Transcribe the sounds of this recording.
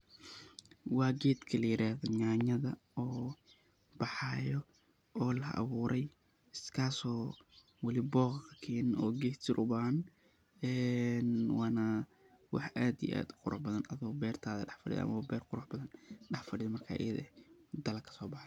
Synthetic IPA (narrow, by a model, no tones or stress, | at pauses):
wɑːɡɛːd̪kʰɐlɐjɪɾaːhðɔɲaːɲɐðɐ | ɔː | bɑħɑːjɔ | ɔːlɐʔɑ̰βuːɾʔɛj | ɪskʰaːsɔː | wɑlɪbɔːqkʰɐkʰɛːnɪɔːɡɛːht̪ʰɪɾʔʊbaːhɐn | ɛːnwɑːnɐ | wɑħʔaːd̪ḭʔa̰ːd̪qʊɾʔʊ̰ħbɐðɐnɐðɐbɛːrt̪ʰaːðɐ̰ɖɑħfɐɽɪ̰j̰ʔɐ̰mɐwbɛːrqʊɾʊħbɐðɐnɖɑħfɐɖɪjɐmɐrkʰa̰ːʔɪ̰jɐðd̪ɐlɐkʰɐ̥sɔːbɑħ